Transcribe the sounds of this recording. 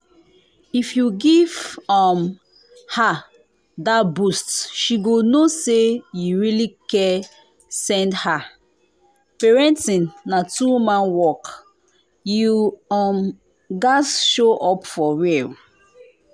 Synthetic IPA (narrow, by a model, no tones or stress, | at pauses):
ifjuɡivɔm | ha | dabustʃiɡonosejuɹilikɛ | sɛ̃ndha | pɛɹɛ̃ntĩnːatuwmãnwɔk | juɔm | ɡasʃoʔɔpfɔɹɛl